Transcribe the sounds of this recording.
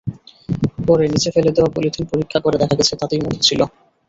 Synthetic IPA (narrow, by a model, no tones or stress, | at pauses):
pɔɾenit͡ɕʰefeled̪eoapo̰liʈ̪ʰinpoɾikʰːakoɾed̪ɛkʰaɡɛt͡ɕʰet̪at̪emod̪ʰʱet͡ɕʰilo